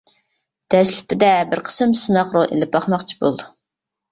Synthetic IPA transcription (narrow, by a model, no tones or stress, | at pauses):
d̪̥ɛslɪ̥pʰɪd̪ɛbɪɾqʰə̥sɨmsɨnɑqɾoʔḛlɪp̚ːɑχmɑqt͡ʃʰi̥bo̰lˠd̪u